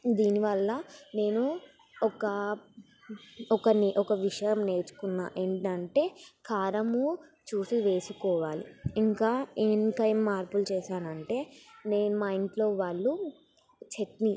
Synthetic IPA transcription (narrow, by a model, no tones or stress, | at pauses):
d̪iːniʋɐlːɐne̞ːnu | ɔkɐ | ɔkɐnʔɔkɐʋiʂɐjɐmne̞ːɾt͡ʃu̥kunːa̰ːʔeɳʈɐɳʈe̞ːkʰaːɾɐmut͡ʃuːsiʋe̞ːsukɔːʋaːlḭiŋkaːeːnkɐjmːaːɾpult͡ʃɛːʃaːnɐɳʈe̞ːneːnumɐjɳʈlo̞ːʋaːɭːu | t͡ʃeʈni